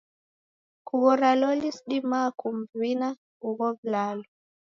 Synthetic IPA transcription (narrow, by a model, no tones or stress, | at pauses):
kuβɔɾalɔlisɗimakumvina | uɣɔvlalu